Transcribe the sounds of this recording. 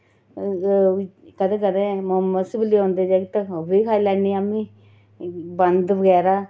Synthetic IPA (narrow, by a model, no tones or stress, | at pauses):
kəd̪ẽːkəd̪ẽːmɦəmːəsbəliːõːnd̪eːd͡ʒaːɡit̪ãobiːkʰaːilɛːniːamĩː | bənd̪ʋəɡɛːɾaː